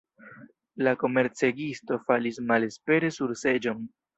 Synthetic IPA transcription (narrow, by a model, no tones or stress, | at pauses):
lako̞me̞ɾt͡se̞ɡisto̞falismale̞spe̞ɾe̞suɾse̞d͡ʒo̞n